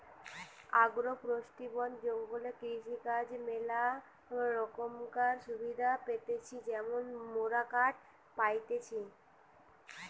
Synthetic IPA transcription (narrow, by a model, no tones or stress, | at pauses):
aɡɾopɾoʃʈibɔnd͡ʑoŋɡolekɾiʃikad͡ʑmela | ɾɔkomkaɾʃubʱid̪ʱapet̪et͡ɕʰid͡ʑɛmonmoɾakaʈ̚ | pajt̪et͡ɕʰi